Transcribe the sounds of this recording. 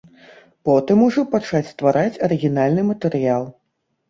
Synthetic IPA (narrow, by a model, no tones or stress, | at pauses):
pɔt̪ɨmuʐɔpat͡ʂat͡sʲst̪vaɾʔat͡sʲɐɾɨɣʲinalʲnɨmɐt̪ɛɾɨjalˠ